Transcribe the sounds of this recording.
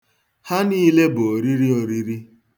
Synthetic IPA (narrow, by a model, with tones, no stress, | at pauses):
ha˦niː˦le˦bo˨o˨ɾi˦ɾi˦o˨ɾi˦ɾi˦